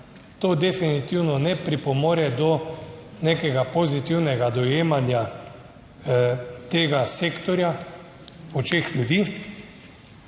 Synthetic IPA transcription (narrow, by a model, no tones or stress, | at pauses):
t̪oːd̪ɛfinit̪iwnɔnɛpɾipɔmoːɾjɛd̪ɔnekɛɡapozit̪iwnɛɡad̪ɔjeːmanja | t̪eːɡaseːkt̪ɔɾja | ɔt͡ʃexlʲjud̪iː